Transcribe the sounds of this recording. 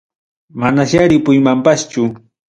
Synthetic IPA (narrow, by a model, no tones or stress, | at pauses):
manaʃaɾɪpʊjmampast͡ʃʊ